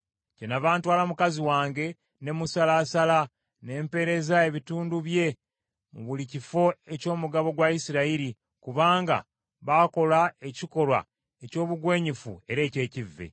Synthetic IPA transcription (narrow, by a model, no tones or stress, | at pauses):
cenaβaːntwaːlamukaziwaːŋɡe̞ | ne̞musalaːsala | ne̞ːmpe̞ɾe̞zae̞βituːnduβje̞ | βulicifo̞e̞co̞ːmuɡaβo̞ɡwaisiɾaiɾi | kuβaːŋɡa̰ | βako̞lae̞ciko̞lwa̰ | e̞co̞ːβuɡwe̞ːɲifṵe̞ɾe̞ːce̞ːcivːe̞̰